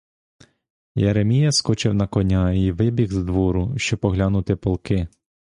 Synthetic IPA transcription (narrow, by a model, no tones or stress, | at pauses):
jeɾemʲijɐskɔt͡ʃɪwnɐkɔnʲaiʋɪbʲiɣzd̪ʋɔɾʊʃt͡ʃɔbɔɦlʲanʊt̪ɪpɔlˠkɪ